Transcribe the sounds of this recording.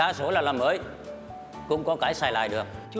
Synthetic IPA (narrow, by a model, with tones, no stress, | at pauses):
aː˧˦so˧˦laː˨˩laː˨˩məː˨˦j | kʊ̰˧˥ŋ͡mkɔ˨˦kaː˧˦jsaː˧˩jla̰ː˧˨jɗɨ˨˩ək̚t͡ɕu˧˦